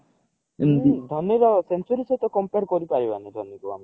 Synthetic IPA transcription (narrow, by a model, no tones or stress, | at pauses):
d̪ʱɔnɔɾɔsensuɾisɔt̪ɔkɔmpeɾkɔɾipaɾiba̰nid̪ʱɔnjikua̰mi